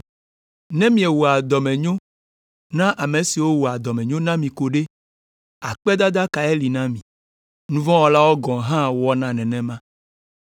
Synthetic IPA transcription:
nɛ̃˦mĩ˨ɛ˨wo˨a˨d̪ɔ˨mɛ̃˨ɲõ˦ | nã˦ʔa˨me˨si˨wo˦wu˨a˨d̪ɔ˨mɛ̃˨ɲõ˦nã˦mĩ˨ko˨ɖe˦ | a˨k͡pɛ˦d̪a˦d̪a˦ka˨e˦li˨nã˦mĩ˨ | nũ˦vɔ̃˦wɔ˦la˦wɔ˦ɡɔ̃˨ɦã˦wɔ˦nã˦nɛ̃˨nɛ̃˦mã˦

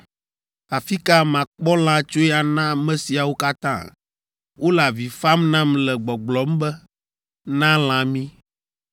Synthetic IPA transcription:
a˨fi˦ka˦mã˨k͡pɔ˦l̃ã˦t͡ʃo˦ɛ˦a˨nã˦mɛ̃˦si˨a˨wo˦ka˦t̪ã̰˦˨ | wo˦la˨vi˨fa˦mnã˦mlɛ˨ɡ͡bɔ˨ɡ͡blɔ˨˦m˦bɛ˦ | nã˦l̃ã˦mĩ˦

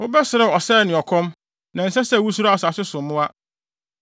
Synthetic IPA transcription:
ʊ˦bɛ˦sɪ˨ɾɪ˦˨ɔ˨sɛ˦˨nɪ̃˨ɔ˨kʰɔ̃˦m | nã˨n̩˨sɛ˦sɛ˦˨wu˦s̬u˦ɾa˦a˨sa˨sɪ˦sʊ̃˨mːʊ̃˦a˦

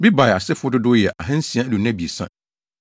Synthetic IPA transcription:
bi˦ba˨ja˨sɪ˦fʊ˦dʊ˦dʊ˦jɛ˨ʔa˨ɦɛ̃˦n̩˦si˨˦a˦du˨nã˦˨bi˨e˨sã̰˦

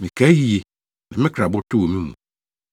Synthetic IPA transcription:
mĩ˨kʰa˦ji˨˦e˨ | nã˨mɪ̃˦kʰɾa˨bʊ˦tʰo˦wo˨mĩ˦mṵ̃˨

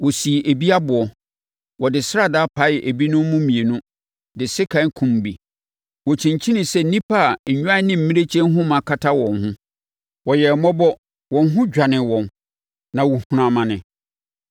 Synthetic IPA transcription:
wɔ˨si˨ʔe˨bi˦a˦bʊ˨ɔ˨ | wɔ˨dɪ˨sa˦˨daː˦pʰa˨˦ɪ˨ʔe˨bi˦nʊ̃˦m˦mʊ̃˦mĩ˨e˨nʊ̃˦ | dɪ˨sɪ˦kʰã˦ŋ˦kʰũ˦m˨bi˨ | wɔ˨t͡ɕʰĩ˨ɲ˨t͡ɕʰĩ˦nɪ̃˨sɛ˦nĩ˦pʰa˦˨ɲ̩˨ɲᶣ˦ã˦nɪ̃˦m̩˨mĩ˦e˦t͡ɕʰɛ̃˦n˦ɦʊ̃˦mã˨kʰa˦tʰa˦wɔ̃˨nhʊ̃˦ | wɔ˨jɛ˨mɔ˦bɔ˦ | wɔ̃˨nɦʊ̃˦d͡ʑᶣa˨nɪ̃˨wɔ̃˨n | nã˨wu˨hũ˨ɾã˨mã˨nɪ̃˨

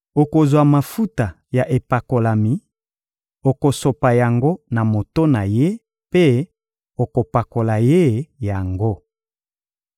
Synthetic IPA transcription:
o˨ko˨zwa˨ma˨fu˦ta˨ | ja˨ʔe˨pa˨ko˨la˨mi˨ | o˨ko˨so˨pa˨ja˨ŋɡo˦na˨mo˨to˦na˨je˦ | pe˦ | o˨ko˨pa˨ko˨la˨je˦ja˨ŋɡo˦

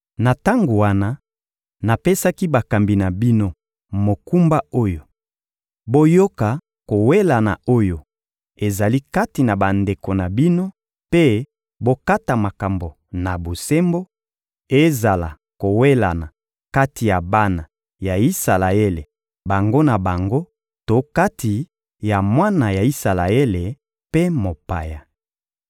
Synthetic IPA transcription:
na˨ta˦ŋɡo˨wa˦na˦ | na˨pe˦sa˦ki˦ba˨ka˨mbi˨na˨bi˦no˦ | mo˨ku˦mba˦o˦jo˨ | bo˦jo˦ka˨ | ko˨we˦la˨na̰˨o˦jo˨ | e˨za˨li˦ka˦ti˨na˨ba˨nde˨ko˨na˨bi˦no˦ | pe˦ | bo˦ka˦ta˨ma˨ka˨mbo˨ | na˨bo˨se˦mbo˦ | e˦za˨la˨ | ko˨we˦la̰˨na˨ | ka˦ti˨ja˨ba˦na˨ | ja˨i˦sa˨la˨e˦le˨ | ba˨ŋɡo˦na˨ba˨ŋɡo˦ | to˨˦ka˦tʰi˨ | ja˨mwa˦na˨ja˨i˦sa˨la˨e˦le˨ | pe˦mo˨pa̰˨ja˨

